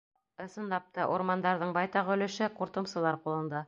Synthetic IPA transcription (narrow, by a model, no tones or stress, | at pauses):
ɤ̆sɤ̆nlˠɑp̚t̪ɑʔuɾmɑnd̪ɑɾðɤɴbɑjt̪ɑʁɵ̆lɘ̆ʃɘquɾt̪ɤ̆msɤ̆lˠɑɾqulˠɤ̆nd̪ɑ